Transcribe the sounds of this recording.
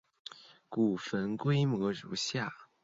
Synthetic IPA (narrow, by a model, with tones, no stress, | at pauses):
ku˨˩fə˧˥nkwe˥ɪmwɔ˧˥ɻṵ˧˥ɕja˥˩